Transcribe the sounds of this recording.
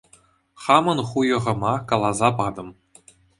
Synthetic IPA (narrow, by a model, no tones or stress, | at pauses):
χɑmɤ̆nχujɤ̆ʁɤ̆mɑkɑlˠɑzɑpɑd̪ɤ̆m